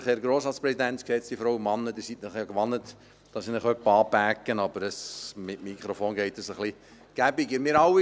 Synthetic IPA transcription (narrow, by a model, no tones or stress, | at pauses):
χhɛɾɡɾoːsɑːspɾɛsid̪ænt͡sksɛt͡sd̥ifɾowəmɑnːəd̪ɪːsitnəχjɑkʋɑnːət̪ | d̥ɑsinəχœpːəɑːpækːənɑb̥əɾəsmɪtmikχɾofoːnɡɛɪt̪əsəχli | ɡ̥æbiɡəmɪːɾɑwi